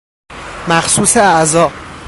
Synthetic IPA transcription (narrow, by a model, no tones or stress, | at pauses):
mæxsuːseæʔzɒː